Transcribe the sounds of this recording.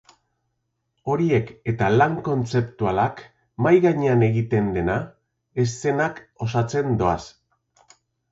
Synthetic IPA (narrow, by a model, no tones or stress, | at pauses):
o̞ɾie̞ke̞t̪alaŋko̞nt͡se̞pt̪ualak | majɣaɲeane̞ɣit̪e̞nd̪e̞na | e̞ste̞nako̞sat͡se̞nd̪o̞a̰s